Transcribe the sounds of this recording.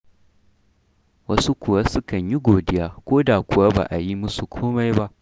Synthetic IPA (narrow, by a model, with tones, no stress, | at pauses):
wɐ˦su˦kʷʊ˨wa˦sʊ˦kɐ˨ɲji˦ɡʷoː˨dɪ˦jaː˦kʷoː˦daː˨kʷʊ˨wa˦ba̰ː˨ʔa˨ji˦mʊ˦su˨kʷʰoː˦ma˦jba˦ʔ